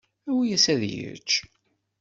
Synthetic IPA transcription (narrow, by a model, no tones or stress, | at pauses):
æwijæsæðjə̰t͡ʃː